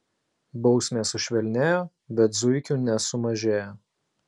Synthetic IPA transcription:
bɒʊsʲmʲeːsʊʃʲʋʲɛlʲnʲeːjoː | bʲɛt̪zʊɪkʲuːnʲɛsʊmɐʒʲeːjoː

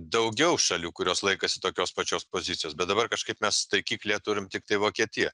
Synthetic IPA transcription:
d̪ɐʊɡʲɛʊʃɐlʲuːkʊɾʲoːslˠɐɪkɐsʲɪt̪oːkʲoːspɐt͡ʃʲoːspoːzʲɪt̪ʲɪjoːsbʲɛt̪d̪ɐbɐrkɐʃkɐɪpmʲɛst̪ɐɪkʲiːklʲeːt̪ʊɾʲɪmt̪ʲɪk̚t̪ɐɪʋoːkʲiɛt̪ʲɪjɛ

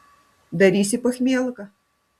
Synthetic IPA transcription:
d̪ɐɾʲisʲɪpɐxʲmʲelˠkɐ

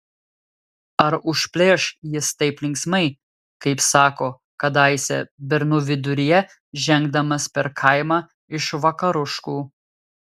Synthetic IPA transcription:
ɐɾʊʃʲpʲlʲeːʃjɪst̪ɐɪplʲɪŋksmɐɪ | kɐɪpsɑːkoː | kɐd̪ɐɪsʲɛ̰bʲɛɾnʊʋʲɪd̪ʊɾʲɪjɛ | ʒʲɛŋɡ̚d̪ɐmɐspʲɛɾkʰɐɪmɑ | ɪʃʋɐkɐɾʊʃkuː

